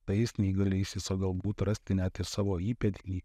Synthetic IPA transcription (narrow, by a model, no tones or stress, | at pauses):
t̪ɐɪsʲnʲiːɡɐlʲɛɪsʲɪsoɡɐlˠɡuːt̪ɾɐsʲt̪ʲɪnʲæːt̪ʲɪsɑːʋoːiːpʲɛt̪ʲnʲiː